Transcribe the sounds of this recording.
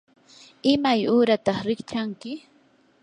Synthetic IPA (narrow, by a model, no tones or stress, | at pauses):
ɪmajʊːɾat̪ɑχɾɪkt͡ʃaŋkɪ